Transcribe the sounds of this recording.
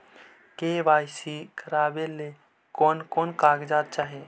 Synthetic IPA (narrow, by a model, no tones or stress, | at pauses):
keʋaːjsikəɾaːbele | koːnkoːnkaːɡd͡ʒaːd̪̚t͡ʃaːɦe